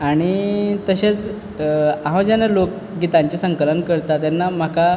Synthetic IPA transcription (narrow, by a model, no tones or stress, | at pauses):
aɽ̃it̪əɕet͡s | aɦãwd͡ʑanalok̚ | ɡit̪aɲt͡ɕesəŋkələnkəɾt̪at̪janːam̤aka